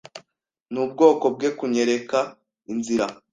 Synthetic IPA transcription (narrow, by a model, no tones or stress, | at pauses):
nub̚ɡo̞ːko̞b̚ɡe̞kuɲe̞ɾe̞ka | inziɾa